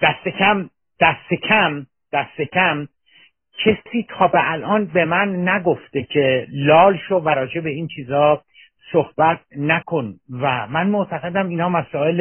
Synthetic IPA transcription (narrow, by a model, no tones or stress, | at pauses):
d̪̥æst̪e̞cʰæm | d̪̥æst̪e̞cʰæm | d̪̥æst̪e̞cʰæm | cʰesiːt̪ʰɒːbeʔælʔɒːnbe̞mænːæɡo̞ft̪e̞cʰe̞lɒːlʃovæɾɒːd͡ʒe̞be̞iːnt͡ʃʰiːzɒː | sohbæt̪̚nækʰo̞nvæmænmoʔt̪ʰæɣe̞d̪æmiːnhɒːmæsɒːe̞l